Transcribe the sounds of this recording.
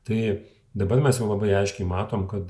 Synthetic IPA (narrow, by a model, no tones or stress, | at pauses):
t̪ɐɪ | d̪ɐbɐɾmʲɛsjɛʊlˠɐbɐɪɐɪʃʲkʲɛɪmɑːt̪oːmkɐt̪